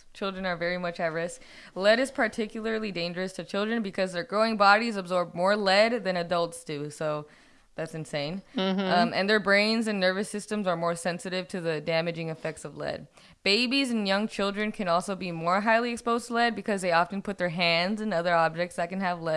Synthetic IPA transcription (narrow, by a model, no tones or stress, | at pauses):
t͡ʃʰɪlˠdɹɨ̃nə˞vɛɹimʌt͡ʃɛvə˞ɨs | lɛɾɨz̥pʰə˞tʰɪkjl̩ˠə˞lˠidẽɪ̃nd͡ʒə˞ɨstʰɨt͡ʃʰɪlˠdɹɨ̃nbɨkʰʌzðə˞ɡɹoʊɪ̃ŋbɑɾizəbzɔɹb̚mɔɹlɛd̪̚ðɨ̃ñɨdʌlˠtsd̥ʉsoʊ | ðætsɨ̃n̩sẽɪ̃nʌmʔɨ̃nðə˞bɹẽɪ̃nzɨ̃nːɜ˞vɨsɪstɨ̃mzə˞mɔɹsɛ̃nsɨɾɨv̥tʰɨðɨdæmɨd͡ʒɪ̃ŋɨfɛk̚tsʌvlɛ̰d̚ | b̥eɪbizɨ̃n̩jʌ̃ŋt͡ʃʰɪlˠdɹɨ̃nkʰɨ̃nɔlˠsoʊbimɔɹɦaɪlˠiɨkspoʊz̥tʰlɛd̚bɨkʰʌzðeɪɑfn̩pʰʊt̪̚ðə˞ɦæ̃ndzɨ̃nʌðə˞ɑb̚d͡ʒɨk̚tsðɨt̚kɨ̃n̩əvlɛ̥